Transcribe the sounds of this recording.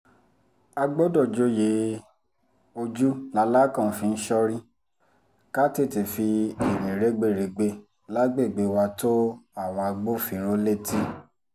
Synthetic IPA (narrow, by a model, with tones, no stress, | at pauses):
a˧ɡ͡bo˦dɔ˦˨d͡ʒo˧˦je˨˦ | o˧d͡ʒu˦la˨˧la˦kã˦˨fĩ˧n̩˦ʃɔ˧ɾĩ˦ | ka˦te˦˨ti˨fi˧e˨nĩ˨ɾe˨˦ɡ͡be˦˨ɾe˨˧ɡ͡be˧ | la˦ɡ͡be˦˨ɡ͡be˧˦wa˧to˦a˦˨w̃ɔ̃˧a˧ɡ͡bo˦fĩ˧ɾ̃o˦le˦˨ti˦